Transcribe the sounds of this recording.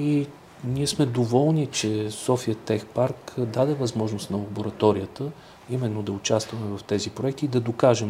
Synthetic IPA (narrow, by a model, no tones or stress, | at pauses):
i | niɛsmɛd̪ovɔlˠnit͡ʃɛsɔfiət̪ɛxpaɾkd̪ad̪ɛvɐzmɔʒnost̪nɐlˠɐboɾɐt̪ɔɾiət̪ə | imɛnːod̪ɐʊt͡ʃast̪vɐmɛvɐft̪ɛzipɾoɛk̚t̪iːd̪ɐd̪okaʒɛm